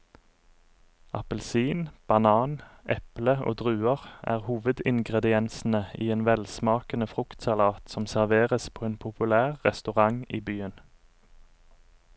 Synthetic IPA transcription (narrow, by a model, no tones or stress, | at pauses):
ɑpəlsiːnb̥ɑnɑːnʔɛpləʔo̰ːd̪ʁʉːəʁʔæ̰ːʁhuːʋəd̪ɪŋɡʁɛd̪ɪɛnsn̩əiːeːnʋɛlsmɑːkənəfʁʉkt̪sɑlɑːt̪sɔmsæʁʋeːʁəspʰoːeːnpʰʊpʉlæːʁʁɛ̰st̪ʉʁɑŋiːbyːən